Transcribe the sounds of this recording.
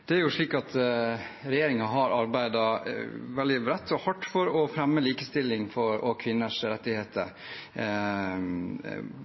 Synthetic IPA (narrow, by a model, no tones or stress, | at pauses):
d̪̥ɛæɾjʊʂɭiːkɑt̪ | ɾɛjeːɾɪŋɑɦɑɾɑɾbæɪd̪ɑʋɛld̪ɪɾɛt̪ːɔhɑʈːfɔɾɔfɾɛmːəliːkəst̪ɪlːɪŋfɔɾɔkʰʋɪnːəʂɾɛt̪ːɪheːt̪ʰə̰ɾ